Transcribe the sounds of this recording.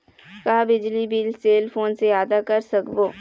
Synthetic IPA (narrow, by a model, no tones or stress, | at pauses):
kɐɦabɪd͡ʒlibiːlseːlpʰoːnsejaːd̪akɐɾsɐkboː